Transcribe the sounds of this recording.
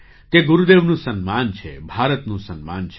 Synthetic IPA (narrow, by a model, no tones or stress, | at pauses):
t̪eɡuɾud̪eʋnũsənmant͡ʃʰḛbʱaɾət̪nũsənma̰nt͡ʃʰ